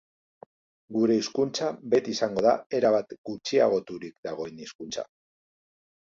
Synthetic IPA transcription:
ɡuɾe̞iskunt͡sabe̞t̪isaŋɡo̞ða̰e̞ɾaβat̪ɡ̥ut͡ʃia̰ɣ̞o̞t̪uɾikd̪aɣ̞o̞eniskunt͡sa̰

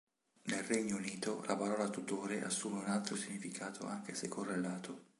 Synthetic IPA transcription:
nelrɛɲːouniːt̪olapaɾɔːlat̪ut̪oːɾeʔa̰sːuːmeunalt̪ɾosiɲːifikʰaːt̪ʰo̰a̰ŋkesekʰːorːelːaːt̪ʰo

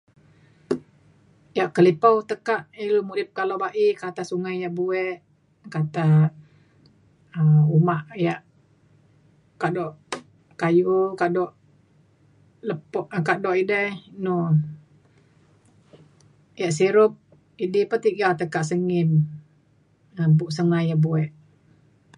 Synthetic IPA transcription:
jaʔkəlipawt̪əkaʔilumudɪp̚kaloʔbaʔikat̪asuŋajjaʔbuɛʔ | kat̪a | əumaʔjaʔ | kaʔdɔʔ | kajukaʔdɔʔ | ləpɔʔkaʔdɔʔidəno | jaʔs̬iɾʊp̚ | idipət̪iʔɡalt̪əkaʔsəŋɪn | əmbuʔsəŋajabuɛʔ

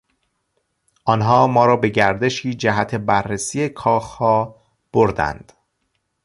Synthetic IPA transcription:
ʔɒnɦɒːmɒːɾɒːbe̞ɟæɾd̪eʃiːd͡ʒæɦæt̪ʰe̞bærːesiːekʰɒːxhɒː | b̥oɾd̪æ̰nd̪̥

